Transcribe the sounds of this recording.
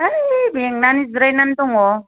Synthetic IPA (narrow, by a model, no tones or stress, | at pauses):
ajbeŋnanisɾajnant̪ɔŋɔ